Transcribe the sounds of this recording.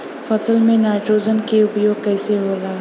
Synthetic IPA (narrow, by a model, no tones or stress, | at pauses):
fɐsəlmẽnaːʈoːd͡ʒənkeʊpjoːɡ̚kɛːseɦoːlaː